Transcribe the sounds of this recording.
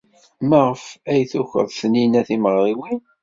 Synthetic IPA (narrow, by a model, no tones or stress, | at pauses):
mæʁəfæjθuçə̰ðˤθəninæθiməʁɾˤiwin